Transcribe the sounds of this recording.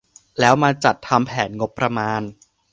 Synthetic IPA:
lɛː˦˥wmaː˧t͡ɕa˨˩t̪ʰːa˧mpʰɛː˩˦nŋo˦˥pːɾa˧maː˧n

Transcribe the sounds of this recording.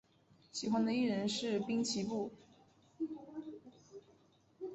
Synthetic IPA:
ɕi˨˩xwa˥nd̪ə˨i˥˩ɻə˧˥nʂɻ̩˥˩pi˥ŋt͡ɕʰi˧˥pu˥˩

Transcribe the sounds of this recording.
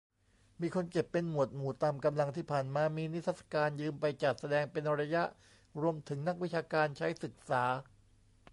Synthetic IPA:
miː˧kʰo˧nke˨˩pːe˧nmu˨˩ət̪̚muː˨˩t̪aː˧mka˧mla˧ŋt̪ʰiː˥˩pʰaː˨˩nmaː˧miː˧ni˦˥t̪ʰːa˦˥t̪sḁ˧kaː˧njɯː˧mpa˧jt͡ɕa˨˩t̪̚sa˧dɛː˧ŋpe˧nɾa˧ja˦˥ʔ | ɾu˧əmt̪ʰɯ˩˦ŋna˥k̚wi˦˥t͡ɕʰaː˧kaː˧nt͡ɕʰa˦˥jsɯ˨˩k̚saː˩˦

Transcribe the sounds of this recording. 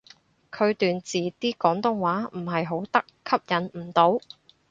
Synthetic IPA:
kʰɵ˨˧ɥt̪yː˨nt͡siː˨t̪iː˥kɔː˨˥ŋt̪ʊ˥ŋwaː˨˥m̩˨˩ɦɐ˨jɦo˨˥wt̪ɐ˥kkʰːɐ˥p̚jɐ˨˥nm̩˨˩t̪o˨˥w

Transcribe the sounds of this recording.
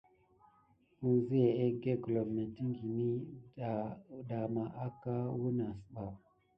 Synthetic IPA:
u˨zi˦je˨e˦ɡe˦ɡlo˨bna˨ti˦ŋɡi˨ni˦˨ | da˨ma˨ʔa˦ka˦wu˦na˨sɓa˨

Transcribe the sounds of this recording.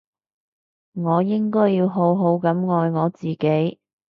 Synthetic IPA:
ŋɔː˨˧jɪ˥ŋkɔː˥jːiː˧wɦo˨˥wɦo˨˥wkɐ˨˥mŋɔː˨˧jŋɔː˨˧t͡siː˨ke˨˥j

